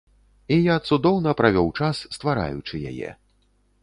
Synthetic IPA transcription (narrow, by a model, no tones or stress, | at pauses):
ijat̪sud̪ɔwnɐpɾavʲɔwt͡ʂasːt̪vaɾa̰jṵt͡ʂɨja̰jɛ̰